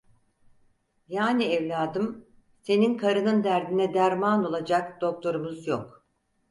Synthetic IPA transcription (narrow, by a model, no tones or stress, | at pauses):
jaːniɛvlʲaːd̪ɯm | se̞ninkʰaɾɯnɯnd̪æɾd̪inɛd̪æɾmaːno̞lˠad͡ʒakd̪̥o̞k̚t̪ʰo̞ɾumuzjok̚